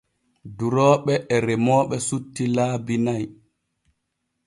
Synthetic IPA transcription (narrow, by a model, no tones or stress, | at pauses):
duɾɔːɓɛʔːɾɛmɔːɓɛsutːilaːbinaj